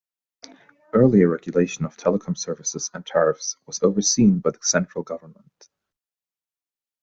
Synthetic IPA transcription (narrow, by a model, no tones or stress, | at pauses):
ɜ˞lˠiəɹɛɡjəleɪʃə̃nəv̥tʰɛlˠəkʰɑ̃msɜ˞vɨsɪz̥ə̃ntʰɛɹɪfswʌzoʊvə˞sĩnbaɪðəsɛ̃nt͡ʃɹ̥əlˠɡʌvə˞nmə̃nt